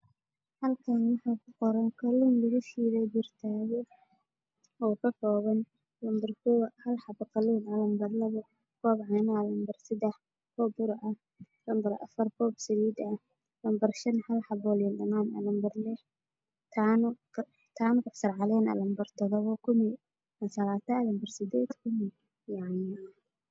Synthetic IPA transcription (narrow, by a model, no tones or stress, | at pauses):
hɐlkʰaːnwɑħakʰʊqɔɾɐnkʰɔlinlɐɣuʃiːɾɛjbɪrt̪ʰaːɣɛ | ɔːkʰɐkɔːɣɐn | lɐmbɐrkʰʊwhɐlħɑbqɑliːnɐlɐmbɐrlɐβɐ | kʰɔːbʕɑːnalɐmbɐrsɪd̪ɛħ | kʰɔːbʊɾʊɐh | lɐmbɐɾɐ̰fɐrkʰɔːb̚sɐliːd̪ɐ | lɐmbɐrʃɐnhɐlħɑbɔlɪnɗɐmaːnɐ̰lɐmbɐrlɛh | t̪ʰan | t̪ʰaːnʊkʊħsɐrʕɑlɛːnɐ̰lɐmbɐrt̪ʰɔðɔβɔkʰʊmɪ | ɐsɐlaːt̪ʰɐlɐmbɐrsɪd̪ɛːd̪kʰʊmɪ | jaʕnɪ